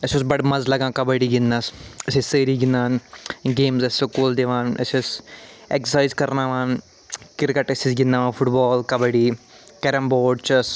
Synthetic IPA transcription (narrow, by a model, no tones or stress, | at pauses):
ɐsosbɐɖmɐzlɐɡãːkɐbəɽiːɡɪnːɐsɐsiseːɾiːɡinːaːnɡeːmzɐsokoːld̪eʋãːnɐ̰sɐseksaːjzkɐɾnaːʋaːn | kɪɾkɐʈɐsisɡɪnːaːʋãːfʰʊʈbɔːlkɐbəɽiː | kɐɾɐmboːɖt͡ʃɐs